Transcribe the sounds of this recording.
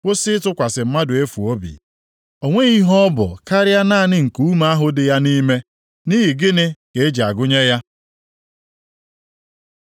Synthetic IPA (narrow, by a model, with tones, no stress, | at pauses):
kʷʊ˦sɪ˦ɪ˦tʊ˦kʷa˨sɪ˨m̩˦ma˦dʊ˨e˦fu˨o˦bḭ˨ | o˨ŋʷe˦i˦ɦɔ˦bʊ̰˨ka˦ɾɪ˦a˦na˦˨nɪ˦ŋ̩˨ku˦ma˦a˦ɦʊ˦dɪ˨ja˦ni˦me˦ | ni˦ɦi˨ɡɪ˦nɪ˦ke˨e˦d͡ʒa˨ɡʊ˦ɲe˦ja˦